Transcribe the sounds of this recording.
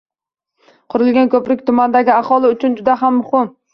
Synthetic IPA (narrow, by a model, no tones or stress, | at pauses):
qʰʊɾɪlɡʲankʲʰɵpɾɪk̚ʲt̪ʰʊmand̪aɡʲɪaχɒlˠɪʊt͡ʃʰʊnd͡ʒʊd̪aɦamːʊhɪm